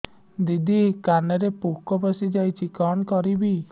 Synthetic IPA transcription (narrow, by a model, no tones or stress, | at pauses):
d̪id̪ikaneɾepukɔbɔsid͡ʒajt͡ʃʰikɔnkɔɾibi